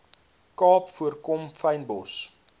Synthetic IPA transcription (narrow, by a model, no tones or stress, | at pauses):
kɑːpfuərkɔmfəjnbɔs